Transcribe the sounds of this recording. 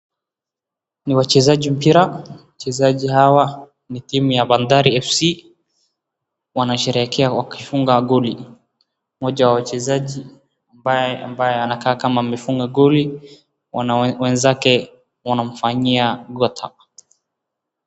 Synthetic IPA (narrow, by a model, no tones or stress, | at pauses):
niwat͡ʃɛzaʄim̩piɾawat͡ʃɛzaʄihawa | nitimujaɓandaɾiɛfsi | wanaʃɛɾɛkʰɛawakifuŋɡaɡɔli | mɔʄawawat͡ʃɛzaʄi | ambaja̰mbajɛanakaːkamam̩mɛfuŋɡaɡɔli | wwɛnzakɛ | wanam̩faɲiaɡɔtʰa̰